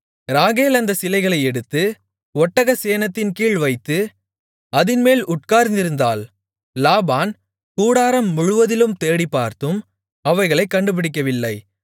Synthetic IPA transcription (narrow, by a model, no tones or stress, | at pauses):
ɾaːɣeːlɐnd̪ɐsɪlɐɪɣɐɭɐɪɛɽɯt̪ːɯ | ɔʈːɐɣɐseːnɐt̪ːɪnkiːɭʋɐɪt̪ːɯ | ɐðɪnmeːlʊʈ̚kaːɾnd̪ɪɾɯnd̪a̰ːlː | aːbaːn | kuːɽaːɾɐmːʊɻʊʋɐðɪlɯmt̪eːɽipːaːɾt̪ɯm | ɐʋɐɪɣɐɭɐɪkːɐɳɖɯp̬ɪɽɪk̬ːɐʋɪlːɐɪ